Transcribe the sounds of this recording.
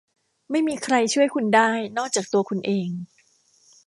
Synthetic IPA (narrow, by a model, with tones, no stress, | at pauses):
ma˥˩jmiː˧kʰɾa˧jt͡ɕʰu˥˩əjkʰu˧ndaː˥˩jnɔː˥˩k̚t͡ɕaː˨˩k̚t̪u˧ɐkʰu˧nʔeː˧ŋ